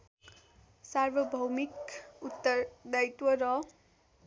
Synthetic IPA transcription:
sarʋʌbʱʌwmikut̪ːʌd̪ajt̪wʌɾʌ

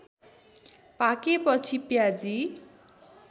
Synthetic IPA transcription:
pakepʌt͡sʰipjad͡zi

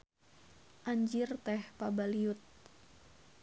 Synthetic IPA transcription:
ʔaɲd͡ʒirt̪ɛhpabaliut̪̚

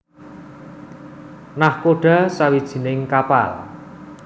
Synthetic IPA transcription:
nahkoɖ̥a̤sawid̥ʒ̥i̤nɪŋkapa̰l

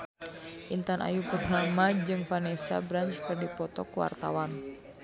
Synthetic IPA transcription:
ʔint̪anʔa̰jupurnamad͡ʒɨŋfanɛsa̰bɾaɲt͡ʃkɨrdipɔt̪ɔ̰kuwa̰rt̪a̰wan

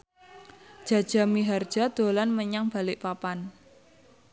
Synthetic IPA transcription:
d̥ʒ̥a̤d̥ʒ̥a̤miɦard̥ʒ̥a̤d̪̥o̤lanməɲaŋb̥a̤lɪʔpapan

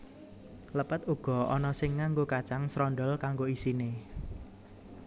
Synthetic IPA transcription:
ləpət̪uɡ̥ɔ̤ɔnɔsɪŋːaŋɡokat͡ʃaŋsɾɔnɖɔlkaŋɡoisine

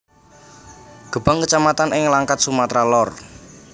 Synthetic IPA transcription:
ɡ̥ə̤b̥a̤ŋkət͡ʃamat̪anɪŋlaŋkat̪̚sumat̪ɾalɔr

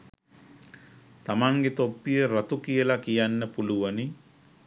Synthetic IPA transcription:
t̪amaŋɡet̪opːijəɾat̪ukijəlakijanːəpuluʋani

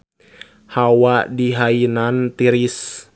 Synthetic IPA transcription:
hawadiɦainant̪iɾis

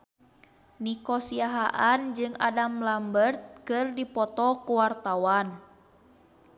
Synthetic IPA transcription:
nikɔsiaɦaʔand͡ʒɨŋa̰damlambərt̪̚kɨrdipɔt̪ɔkuwart̪awan

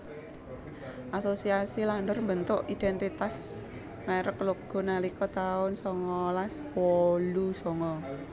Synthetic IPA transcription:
ʔasosiasilandərmbənt̪ʊʔid̥̪ɛnt̪it̪as | meɾəkloɡ̥ɔ̤nalikɔt̪aʊnsɔŋɔlaswɔlusɔŋɔ

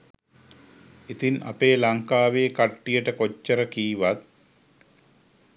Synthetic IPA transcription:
it̪ina̰peːlaŋkaːʋeːkaʈːijəʈəkot͡ʃːəɾəkiːʋat̪̚

